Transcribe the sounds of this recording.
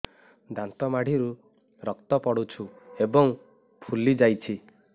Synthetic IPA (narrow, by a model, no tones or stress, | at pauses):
d̪ant̪ɔmaɽ̤iɾu | ɾɔkt̪ɔpɔɽut͡ʃʰuebɔŋ | pʰulid͡ʒajt͡ʃʰi